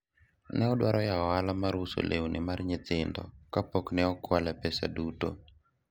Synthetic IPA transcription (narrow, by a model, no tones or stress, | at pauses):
nɛɔdwaɾɔjaɔalamaɾʊso̰lʔewnʔɪmarɲɪt̪ɪndɔ̰kapoknɛɔkwalɛpɛsa̰duto